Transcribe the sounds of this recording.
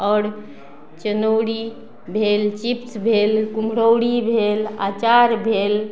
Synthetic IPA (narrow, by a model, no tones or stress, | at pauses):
ɔːɾ | t͡ʃənəwɽi | bʱelt͡ʃipsbʱelkumɾəwɽibʱela̰t͡ʃaɾbʱel